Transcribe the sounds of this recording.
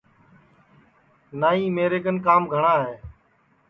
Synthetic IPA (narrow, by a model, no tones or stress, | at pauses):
naːĩːmeːɾeːkənkaːmɡʱəɳaːɦeː